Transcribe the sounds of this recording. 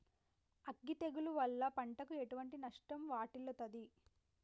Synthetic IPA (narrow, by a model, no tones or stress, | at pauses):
ɐɡːit̪eɡuluʋɐlːɐpɐɳʈɐkueʈuʋɐɳʈinɐʂʈɐmʋaːʈilːɐt̪ɐd̪i